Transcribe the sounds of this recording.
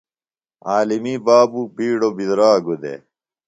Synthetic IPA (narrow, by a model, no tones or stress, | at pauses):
aːlimibaːbubiːɽobizɾaːɡud̪ḛ